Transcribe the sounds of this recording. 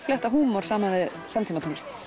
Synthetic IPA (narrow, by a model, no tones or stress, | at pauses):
flɛht̪aɦuːmɔɾ̥saːmanɪ | samt̪iːmat̪ʰɔmɪst̪